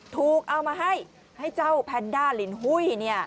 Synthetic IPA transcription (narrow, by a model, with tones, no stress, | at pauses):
t̪ʰuː˨˩k̚ʔa˧wmaː˧ɦa˥˩j | ha˥˩jt͡ɕa˥˩wpʰɛː˧ndaː˥˩li˨˩˦nɦu˧˥˩jni˥˩ɐ